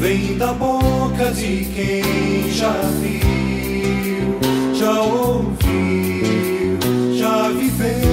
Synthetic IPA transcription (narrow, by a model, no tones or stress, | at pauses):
vẽj̃d̪ɐbokɐd͡ʒɪ | kẽʒavi | ʒaow | vi | ʒavive